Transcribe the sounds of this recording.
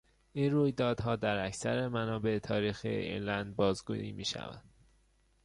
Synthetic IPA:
ʔiːnruːjd̪ɒːd̪̥ɦɒːd̪æɾæcsæ̰ɾemænɒːbe̞et̪ʰɒːɾiːxḭḛɾlænd̪̚bɒːzɡṵiːmiːʃæ̰væ̰nd̪̥

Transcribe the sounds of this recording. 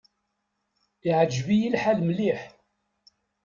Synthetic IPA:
iʕəd͡ʒvijilħalmliħ

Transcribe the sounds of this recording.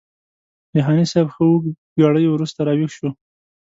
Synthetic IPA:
d̪əɦɑnisɛbxəwu | ɡɑɽəjowɾust̪aɾɑwixʃo

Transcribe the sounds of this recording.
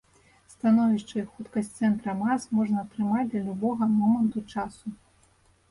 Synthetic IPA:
st̪anɔvʲiʂt͡ʂɐxut̪kɐsʲt̪sɛnt̪ɾɐmasmɔʐnɐːt̪ɾɨmad͡zʲd̪lʲɐlʲubɔɣɐmɔmɐnt̪ut͡ʂasu

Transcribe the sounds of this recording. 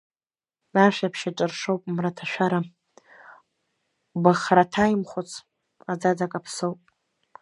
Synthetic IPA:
aʃʷᶣapʰʃaʈ͡ʂʼɨrʂowpʼmratʰaʃʷᶣaɾa | baχɾatʰajimχʷot͡sʰ | ad͡zad͡zakʼapʰsowpʼ

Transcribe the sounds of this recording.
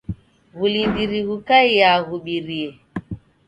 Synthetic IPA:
ɣulindiɾiɣukaijaɣuɓiɾiɛ

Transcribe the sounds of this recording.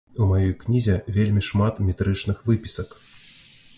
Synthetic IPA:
umajɔjknʲizʲɛvʲelʲmʲiʂmat̪mʲɛt̪ɾɨt͡ʂnɨxvɨpʲi̥sɐk

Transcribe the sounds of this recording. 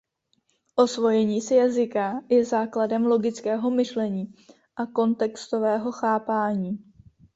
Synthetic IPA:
ʔo̞svo̞jɛɲiːsɪjazɪkajɛzaːkladɛmlo̞ɡɪt͡skɛːɦo̞mɪʃlɛɲiː | ʔako̞nt̪ɛkst̪o̞vɛːɦo̞xaːpaːɲiː

